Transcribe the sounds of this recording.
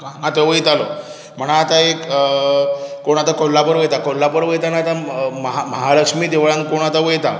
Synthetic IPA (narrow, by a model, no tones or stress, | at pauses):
kaŋat̪oʋəjt̪alo | m̤əɽaːt̪aek | koɳ̃at̪akolːapəɾʋəjt̪akɔlːapəɾʋəjt̪anat̪aməɦaməɦaləkʂmiːd̪eʋɭãŋkoɳ̃at̪aʋəjt̪a